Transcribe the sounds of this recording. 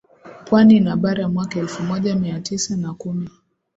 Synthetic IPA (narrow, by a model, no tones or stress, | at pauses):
pwaninaɓaɾajamwakaɛlfumɔʄamiatisanakumi